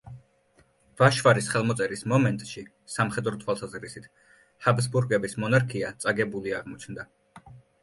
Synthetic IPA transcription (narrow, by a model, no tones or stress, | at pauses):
v̥aʃvaɾisχɛlˠmɔt̪sʼɛɾismɔmɛnt̪ʼʃi | samχɛd̪ɾɔt̪ʰwalˠsazɾisit̪ʰ | habzbuɾɡɛbismɔnaɾkʰiat̪sʼaɡɛbuliaʁmɔt͡ʃʰnd̪a